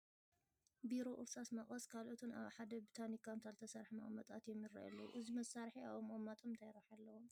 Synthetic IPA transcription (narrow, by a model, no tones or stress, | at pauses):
biɾo̞ʔɨɾsʼasmɐχʼɐskʰalʔot̪ʰuna̰βħad̪ɐbit̪ʰanikʰːamt̪ʰalt̪ʰɐsaɾħimɐ̰χʼmɐt̪ʼa̰t̪jɛmːiɾa̰ʔɐ̰loʔɨzimɐsaɾħia̰βomomːat̪ʰʼomt̪ʰajɾaħalːɐwom